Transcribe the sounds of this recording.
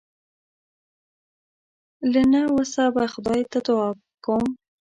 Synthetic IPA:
lənawəsabaxʊd̪ɑjt̪at̪ʊɑb̚ | kom

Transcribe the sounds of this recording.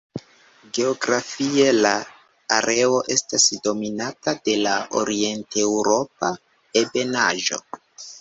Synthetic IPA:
ɡe̞oɡɾafie̞laː | ɾʔe̞o̞ʔe̞stasdo̞minatade̞laʔo̰ɾie̞ntewɾo̞p̚a | e̞be̞naʒo̞̰

